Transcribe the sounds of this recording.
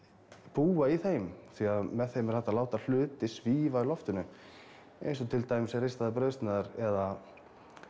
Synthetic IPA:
puːaiθejmθiaðmɛðθejmɛɾ̥θaht̪ːalaːwt̪al̥ʏːt̪ɪsviːvalɔft̪ʏnʏ | ḛjns̬ɔt̪ʰɪlt̪aːjmɪsɛrejst̪aðapɾœːɥst̪naðaɾɛða

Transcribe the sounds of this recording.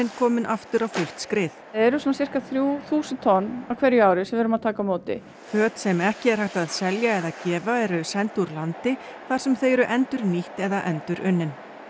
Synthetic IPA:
ɪnkʰɔːmɪnʔaft̪ʏɾawfʏl̥t̪skɾɪːθɛɾʏsɔnasɪr̥kaθɾjuːθuːsɪnt̪ʰɔnːawkʰvɛɾjʏaːwɾɪsɛmvɛːɾʏmaðt̪ʰaːkamoːt̪ɪ̰ | fœːt̪sɛmɛhcɪɛɾ̥hajht̪aðsɛljaɛðacɛːvaɛɾʏsɛnt̪uɾlant̪ɪ | θaɾ̥sɛmθeːjɾʏʔɛnt̪ʏɾniht̪ɛðaʔɛnt̪ʏɾʔʏnːɪn

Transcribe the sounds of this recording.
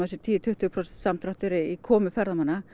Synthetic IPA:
asɪt̪ʰiːjt̪ʰʏht̪ʰʏːpʰɾɔsɛnt̪samt̪ʰɾaht̪ʏɾiikʰɔːmʏfɛɾðamana

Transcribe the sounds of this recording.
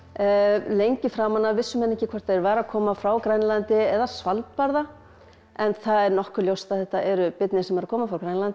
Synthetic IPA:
lejɲcɪfɾaːmanːavɪsːʏmɛnɛhcɪkʰvɛ̥r̥t̪ʰaɛɾvaːɾakʰɔːmafɾawkɾajnlant̪ɪɛðasvalt̪̚paɾða | ɛnθaðɛɾnɔhkʏljowst̪aðθɛht̪aʔɛɾʏpɪt̪nɪsɛmɛɾakʰɔːmafɾawkɾajnlant̪ɪ

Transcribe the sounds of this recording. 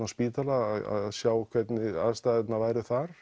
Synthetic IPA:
aspiːt̪alaða̰ððsjaːwkʰvɛt̪nɪa̰ðst̪aðɛt̪navaːjɾʏθaɾ̥

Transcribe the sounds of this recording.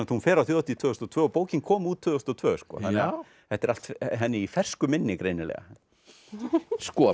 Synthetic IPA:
t̪hunfɛːɾawθjot̪it̪ʰvœːðʏst̪ɔt̪ʰvœːɔpoːwcɪnkʰɔːmuːt̪ʰːʏːðʏst̪ɔt̪ʰvœːskɔ̰ːθanɛɣa | hɛht̪ɛɾal̥t̪ɦɛnːɪifɛr̥skʏmɪnːɪkɾejnɪlɛ̰ːɣa̰ | skɔ

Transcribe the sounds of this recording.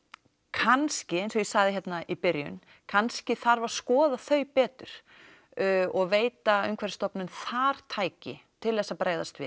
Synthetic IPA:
kʰanscɪejnsɔjɛsaɣðɪçjɛt̪naipɪɾjʏ̰n | kʰanscɪθaɾvaɾ̥skɔːðaθœɥpɛːt̪ʏɾ̥ | ɔɣveːjt̪aʏ̰mkʰvɛɾ̥st̪ɔpnʏnθaɾ̥t̪ʰaːjcɪt̪ʰɪlɛsapɾaːjðast̪vɪ̰ð

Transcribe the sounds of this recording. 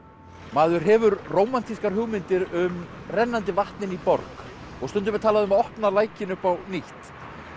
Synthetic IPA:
maːðʏɾ̥ɦɛvʏɾroːwman̥t̪iskaɾ̥ɦʏɣmɪnt̪ɪɾʏm | rɛnːant̪ɪvaht̪nɪnipɔ̰ɾk | ɔɣst̪ʏnt̪ʏmɛt̪ʰaːlaðʏmaɔhpnalaːjcɪnʏpawniht̪

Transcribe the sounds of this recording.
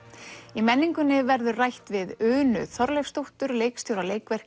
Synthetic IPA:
imɛnːiŋkʏnːɪvɛɾðʏrajht̪vɪðʏːnʏ̰θɔɾlɛjfst̪owht̪ʏɾleːjkst̪jowɾaleːjkvɛr̥k

